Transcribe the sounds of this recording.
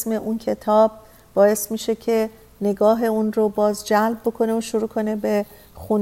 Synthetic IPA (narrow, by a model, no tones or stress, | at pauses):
sme̞ʔuncʰe̞t̪ʰɒːb̥̚ | bɒːje̞smiːʃe̞cʰe̞ | ne̞ɡɒːɦe̞unɾobɒːzd͡ʒælb̚bo̞kʰo̞neoʃoɾuːkʰo̞ne̞be̞ | xun